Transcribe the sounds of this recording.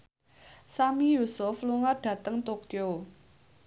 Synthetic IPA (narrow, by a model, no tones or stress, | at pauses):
samijusʊfluŋaɖ̥ä̤t̪əŋt̪okjo